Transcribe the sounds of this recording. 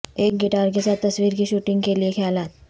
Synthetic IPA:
ek̚ɡiʈaɾkesat̪ːəsʋiːɾkiɕuːʈiŋɡkeliekʰalat̪̚

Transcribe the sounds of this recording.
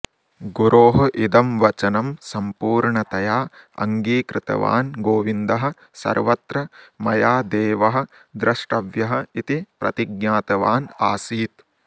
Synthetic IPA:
ɡuɾʔoːɦɐ̆ʔid̪ɐmʋɐt͡ʃɐnɐmsɐmpuːɾɳɐt̪ɐjaːɐ̰ŋɡiːkɾɪt̪ɐ̰ʋa̰ːnɡoːʋind̪ɐɦɐ̆ | sɐ̰ɾʋɐt̪ɾɐmɐjaːd̪eːʋɐɦɐ̆ | d̪ɾɐʂʈɐʋjɐɦɐ̆it̪ipɾɐ̰t̪iɡnjaːt̪ɐʋaːnaːsiːt̪

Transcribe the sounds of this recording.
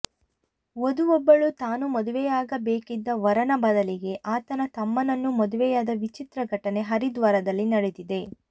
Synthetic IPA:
od̪uʋɔbːɐɭut̪aːnumɔd̪uʋɛjaːɡɐbeːkid̪ːɐʋɐɾɐnɐbɐd̪ɐliɡe̞ʔaːt̪ɐnɐt̪ɐmːɐnɐnːumɔd̪uʋɛjaːd̪ɐʋit͡ʃit̪ɾɐɡʱɐʈɐne̞ɦɐɾid̪ʋaːɾɐd̪ɐlːinɐɽed̪id̪e̞

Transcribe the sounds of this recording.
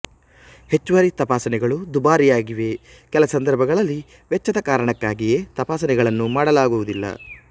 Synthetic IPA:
he̞t͡ʃːuʋaːɾit̪ɐpaːsɐnɛɡɐɭud̪ubaːɾijaːɡiʋe̞ | kɛlɐsɐnd̪ɐɾbʱɐɡɐɭɐlːi | ʋɛt͡ʃːɐd̪ɐkaːɾɐɳɐkːaːɡije̞ːt̪ɐpaːsɐnɛɡɐɭɐnːumaːɽɐlaːɡuʋud̪ilːɐ̰

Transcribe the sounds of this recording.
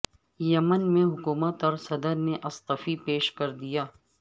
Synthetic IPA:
jɐmənmẽɦʊkuːmət̪ɔɾsɐd̪əɾneʔɐst̪əfipeːʃkɐɾd̪ijaː

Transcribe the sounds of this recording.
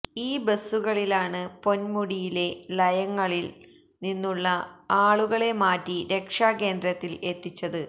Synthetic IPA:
iːbesːuɣɐɭilaːɳɨpo̞nmuɽijile̞lɐjɐŋːɐɭil | ninːuɭːɐaːɭuɣɐɭe̞maːtːiɾe̞kʂaːke̞ːnd̪ɾɐt̪ːile̞t̪ːit͡ɕːɐðɨ

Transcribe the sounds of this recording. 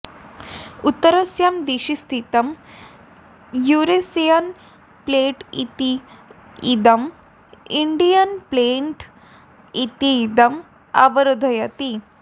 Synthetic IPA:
ut̪ːəɾɐsjamd̪eɕist̪ʰit̪ɐm | juɾesejɐn | pleʈḭt̪iː | d̪ɐm | iɳɖijɐnpleɳʈ | it̪id̪ɐm | a̰ʋɐɾod̪ʱɐjat̪i

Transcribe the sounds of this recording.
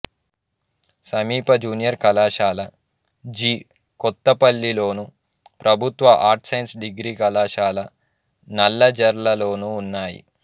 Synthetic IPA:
sɐmiːpɐd͡ʒuːnijɐɾkɐlaːʃaːlɐ | d͡ʒiː | kɔt̪ːɐpɐlːilo̞ːnu | pɾʔɐbʱut̪ʋɐʔaːɾʈsɐjnsɖiɡɾiːkɐlaːʃaːlɐ | nɐlːɐd͡ʒɐɾlɐlo̞ːnuːnːaːjḭ

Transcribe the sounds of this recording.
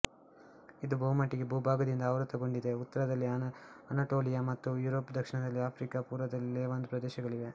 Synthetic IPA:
id̪ubɐɦumɐʈːiɡe̞bʱuːbʱaːɡɐd̪ind̪ɐːʋɾɐt̪ːɐɡo̞ɳɖid̪e̞ut̪ːɐɾɐd̪ɐlːiɐnaʈoːlijamɐt̪ːujuːɾoːpːd̪ʱɐkʂiɳɐd̪ɐlːiaːpʰɾikapuːɾʋɐd̪ɐlːeːʋɐnd̪upɾɐd̪ɛːʃɐɡɐɭiʋe̞

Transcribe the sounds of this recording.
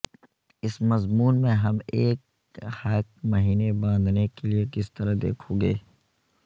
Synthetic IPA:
ɪsmɐzmuːnmẽɦɐmeːk̚ | hɐk̚mɐɦiːnebãːnd̪nekeliekɪst̪ɐɾad̪ḛːkʰoɡeː

